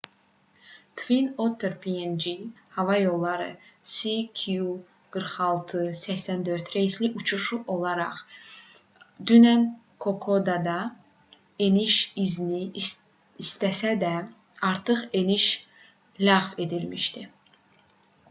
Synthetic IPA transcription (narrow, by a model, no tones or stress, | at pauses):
t̪ʰvinot̪ʰːeɾpʰiend͡ʒi | hɑvɑjo̞lˠːɑɾɯ̰sikʰu | ɡ̥ɯɾχɑlˠt̪ʰɯsæçsænd̪øɾt̪ɾejisliʔut͡ʃʰuʃuʔo̞lˠɑɾɑ̰χ | d̪ynæn | kʰokʰod̪ɑd̪ɑ | eniʃizni | ist̪æsæd̪æ | ɑɾt̪ʰɯχe̞niʃ | læʁve̞d̪ilmiʃt̪i